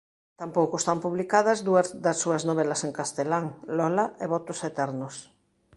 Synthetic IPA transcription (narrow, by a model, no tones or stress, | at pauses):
t̪ampowkoest̪ampuβlikaðɐzðuɐðɐsːuɐznoβelɐseŋkast̪elaŋlɔlaeβɔt̪oset̪ɛɾnos